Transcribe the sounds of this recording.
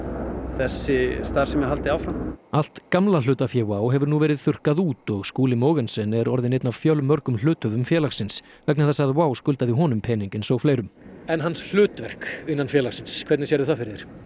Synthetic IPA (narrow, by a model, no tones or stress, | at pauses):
θɛsːɪst̪aɾ̥sɛmjɛɦalt̪ɪaːwfɾamal̥t̪kamlalʏːt̪afjɛwaːwɦɛvʏɾnuvɛːɾɪðθʏr̥kaðuːt̪ɔɣskuːlɪmoːwɣɛnsɛnɛɾɔɾðɪnejt̪navfjœlmːœɾkʏml̥ʏːt̪œvʏmfjɛːlaxsɪns | vɛk̬̚nɪɾθasaɣðɪwaːwskʏlt̪aðɪɦɔːnʏmpʰɛːniɲcɪnsɔɣfleːjɾʏmɛnɦansl̥ʏːt̪vɛr̥kɪnːanfjɛlaxsɪnskʰvɛt̪nɪsjɛɾðʏθafɪɾɪðɪɾ̥